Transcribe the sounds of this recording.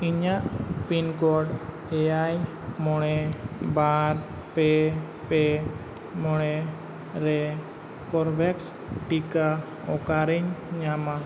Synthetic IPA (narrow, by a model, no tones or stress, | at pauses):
iɲaʔpinkɔɖ | ɛjaj | mɔɽ̃ɛbaɾ | pɛ | pɛ | mɔɽ̃ɛ | ɾɛ | kɔɾbɛks | ʈika | ɔkaɾiɲɲama